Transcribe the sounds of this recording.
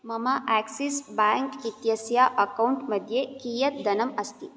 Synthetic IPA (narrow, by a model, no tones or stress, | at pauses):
mɐmaʔæksisbaŋkit̪jɐsjaʔɐkɐuɳʈmɐd̪ʱjekiːjɐt̪̚d̪ɐnɐmɐst̪i